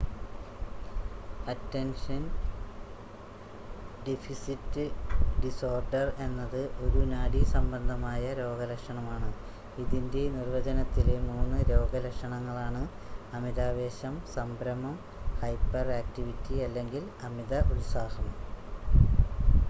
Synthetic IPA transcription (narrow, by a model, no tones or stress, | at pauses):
ɐtːenʂɐn | ɖefisitːɨɖiso̞ːrɖɐre̞nːɐðɨʔo̞ɾunaːɽisɐmbɐnd̪ʱɐmaːjɐɾo̞ːɡɐlɐkʂɐɳɐmaːɳɨ | iðinde̞nirʋɐd͡ʑɐnɐt̪ːile̞muːnːɨɾo̞ːɡɐlɐkʂɐɳɐŋːɐɭaːɳɨ | ɐmiðaːʋe̞ːɕɐmsɐmbɾɐmɐm | hɐjpːɐraːk̚tiʋitːiɐlːe̞ŋɡilɐmiðɐʔulsaːhɐm